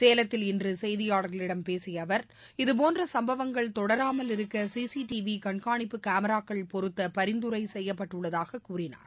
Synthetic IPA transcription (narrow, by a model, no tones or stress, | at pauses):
seːlɐt̪ːɪlɪndrɯsɛjðɪjaːɽɐɣɐɭɪɽɐmpeːsɪjɐʋɐɾ | ɪðɯp̬oːndrɐsɐmbɐʋɐŋɡɐɭt̪ɔɽɐɾaːmɐlɪɾɯkːɐsiːsiʈiʋikɐɳkaːɳɪpːɯkaːmɐɾaːkːɐɭpɔɾɯt̪ːɐpɐɾɪnd̪ɯɾɐɪsɛjːɐpːɐʈːɯɭːɐðaːɣɐkuːɾɪna̰ːɾ